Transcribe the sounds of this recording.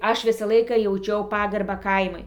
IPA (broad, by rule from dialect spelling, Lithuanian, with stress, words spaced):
ˈɐʃ ˈʋʲɪsɑː ˈlˠɐɪkɑː jɛʊˈt͡ʃʲɛʊ ˈpɑːɡɐrbɑː ˈkɐɪmʊɪ